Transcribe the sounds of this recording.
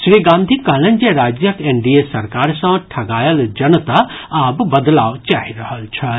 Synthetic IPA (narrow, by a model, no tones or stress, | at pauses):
ʃɾiɡãːnd̪ʱikaːlənd͡ʒeɾaːd͡ʒjəkeɳɖiesɐɾkaːɾsɐ̃ʈʰɐɡaːjəld͡ʒɐnət̪a | abbəd̪laːwt͡ʃaːɦiɾəɦəlt͡ʃʰɐ